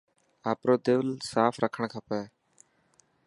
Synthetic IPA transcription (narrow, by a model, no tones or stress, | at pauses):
aːpɾoːd̪eʋlsaːfɾəkʰəɳ̃kʰaːpɛː